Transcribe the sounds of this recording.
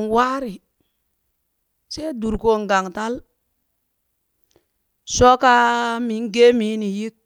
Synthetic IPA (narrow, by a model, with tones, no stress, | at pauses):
nwa˦ɾi˨ | se˦du˨ɾko˨˦ŋɡa˨ŋta˦l | so˦ka˦mi˨˦ŋ˦ɡe˦mi˨˦ni˨ji˦k̚